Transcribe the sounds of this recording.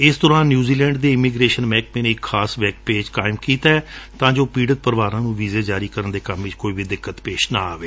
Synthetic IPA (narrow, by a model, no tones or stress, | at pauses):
ɪsd̪ɔːɾãːnːjuːziːlɛ̃ːɳɖd̪eːɪmiːɡɾeːʃənmɛ̃ːk̚mẽːnẽːɪkʰːaːsʋɛːkpeːd͡ʒkaːɪmkiːt̪aɛt̪ãːd͡ʒoːpiːɖət̪̚pəɾʋaːɾãːnũːʋiːzeːd͡ʒaːɾiːkəɾənd̪eːkəmːiːt͡ʃkoːiːbid̪ɪkːət̪peːʃnaːaːʋeː